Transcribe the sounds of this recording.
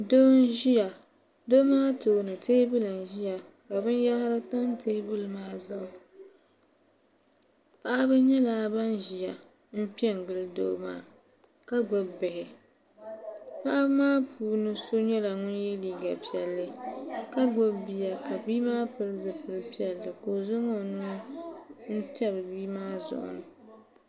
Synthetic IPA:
do˦n˦ʒi˦ja˨ | do˦maː˦toː˨nɨ˨teː˦bɨ˦lɨ˨n˨ʒi˦ja˨ | ka˨bɨ˦n˦ja˦hɾɨ˦ta˦m˦tʰe˦bɨ˦lɨ˦maː˦zʊ˦˨ʔʊ˨ | pa˦ʔa˦bɨ˦ɲɛ˦laː˦ba˦nʒi˨ja˨ | m̩˦pi˦ɛ˦ŋ˨ɡɨ˦ldo̰˦ma̰ː˦˨ | ka˦ɡ͡bʊ˦bbɪ˨hɪ˨ | pa˦ʔa˦bmaː˦pʰuː˦nɨ˦so˦ɲɛ˦la˨ŋʊ˦njɛ˦liː˦ɡa˨pi˦˨ɛ˨lːɨ˦ka˦ɡ͡bʊ˦bbi˨ja˨ka˨biː˦maː˦pɨ˦lzɨ˨pɨ˨lɨ˦pi˦ɛ˨lːɨ˨ko˨zʊ˦ŋo˦˨nʊ˦ | n̩˦tɛ˦bɨ˨biː˦maː˦zʊ̰˨ʔʊ̰˨nɨ˨

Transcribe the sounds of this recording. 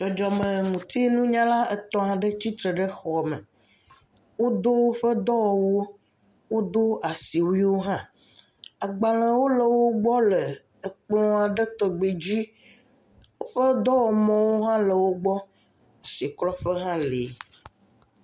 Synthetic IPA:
d͡ʒɔ˨d͡ʒɔ˨mə̃˨ŋũ˨t̪i˦nũ˦ɲã˦la˦ə˨t̪ɔ̃˦a˨ɖə˦t͡ɕi˦t̪ɾə˨ɖə˦xɔ˨mə̰̃˨ | wo˦d̪o˦wo˦ɸə˦d̪ɔ˦wɔ˨wo˦ | wo˦d̪o˦a˨si˨wi˦wo˦ɦã˦ | a˨ɡ͡ba˨l̃ə̃˨wo˦lə˨wo˦ɡ͡bɔ˦lə˨ | ə˨k͡plɔ̃˦a˨ɖə˦t̪ɔ˨ɡ͡be˨d͡ʑi˦ | wo˦ɸə˦d̪ɔ˦wɔ˨mɔ̃˦wo˦ɦã˦lə˨wo˦ɡ͡bɔ˦ | a˨si˨klɔ˦ɸə˦ɦã˦le˨˦

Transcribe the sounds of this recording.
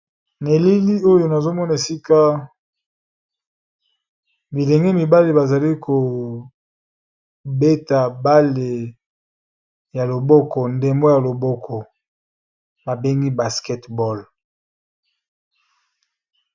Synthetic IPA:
ne˨li˦li˦o˦jo˨na˨zo˦mɔ˦na˨e˨si˦ka˦ | bi˨le˨ŋɡe˦mi˨ba˦le˨ba˨za˨li˦kʰo˨ | be˦ta˨ba˦le˨ | ja˨lo˨bɔ˦kɔ˨nde˨mbo˦ja˨lo˨bɔ˦kʰɔ˨ | ba˨be˦ŋɡi˦ba˨skɛ˦tbɔ˦˨l

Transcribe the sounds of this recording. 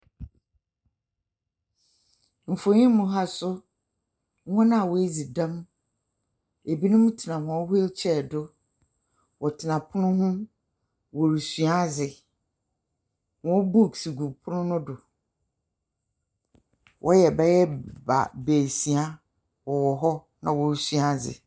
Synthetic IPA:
m̩˨fo˨ɲĩ˦mʊ̃˨ɦa˦sʊ˦ | ɔ̃˦nã˦a˨wɔ˨˦e˦d͡zi˨dã˦m | e˨bi˦nʊ̃˦mʊ̃˦tʰɪ˨nã˨hɔ̃˨˦ɦʊ˦t͡ɕʰɛ˦˨dʊ˦ | wʔɔ˨tʰɪ˨nã˨pʰʊ˦nʊ̃˦ɦʊ̃˦ | wɔ˨ɾu˨sɥa˦zɪ˨ | wɔ̃˨˦bu˦˨ksu˨ɡu˨pʰʊ˦nʊ̃˦nʊ̃˦dʊ˨ | wʔɔ˦jɛ˨bɛ˦jɛ˦ba̰˨be˨si˨a˦ | wɔ˨wɔ˨ɦɔ˦ | nã̰˨wɔ˨ɾu˨sɥa˦˨zɪ̰˨

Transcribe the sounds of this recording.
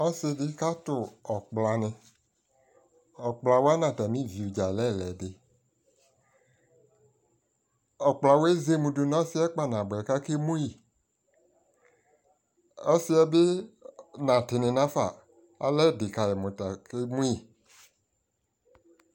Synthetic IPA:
ɔ˦sɪ˧dɪ˦ka˦tʊ˨ɔ˨k͡pla˨nɪ̃˨ | ɔ˨k͡pla˨wo˦a˦nã˨ta˨mĩ˦vi˨u˨d͡ʒa˨lɛ˦˨lɛ˨de˨ | ɔ˨k͡pla˨wo˦e˦ze˦mũ˨do˨nɔ̃˦si˦ɛ˦k͡pa˦nã˨bɛ˨ka˦ke˦mũ˦ji˨ | ɔ˦sɪ˦ɛ˦be˦ | nã˨tɪ˨nɪ̃˨nã˦fa˨ | a̰˨lɛ˦˨dɪ˨ka˨jɛ˨mʊ̃˨ta˨ke˦mũ˦i˨

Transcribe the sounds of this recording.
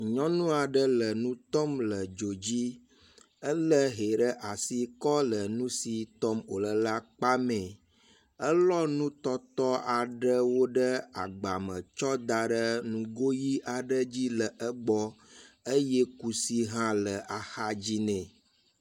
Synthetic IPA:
ɲɔ̃˦nũ˦a˨ɖə˦lə˨nũ˦t̪ɔ˦mlə˨d͡ʒo˨d͡ʑi˦ | ə˦lə˦ɦe˨ɖə˦ʔa˨si˨kɔ˦lə˨nũ˦si˨t̪ɔ˦mo̰˨lə˨la˦k͡pa˦mẽ˨ | ə˦lɔ˦nũ˦t̪ɔ˦t̪ɔ˦a˨ɖə˦wo˦ɖə˦a̰˨ɡ͡ba̰˨mə̃˨t͡ʃɔ˦d̪a˨ɖə˦nũ˨ɡo˦ji˦ʔa˨ɖə˦d͡ʑi˦lə˨ʔə˦ɡ͡bɔ˦ | ə˦jɛ˦ku˨si˦ɦã˦lə˨ʔa˨xa˦d͡ʑi˦nɛ̃˨

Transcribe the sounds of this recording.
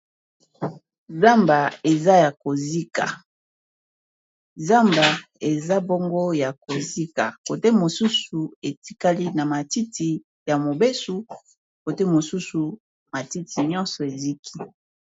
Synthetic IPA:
za˦mba˨e˨za˦ja˨ko˨zi˦ka̰˨ | za˦mba˨ | e˨za˦bo˦ŋɡo˦ja˨ko˨zi˦ka˨ko˨te˦mo˨su˦su˨e˨ti̥˦ka˦li˦na˨ma˨ti˦ti˨ | ja˨mo˨be˦su˨ | ko˨te˦mo˨su˦su˨ | ma˨ti˦ti˨ɲɔ˦nsɔ˨e˨zi˦kʰi̥˦

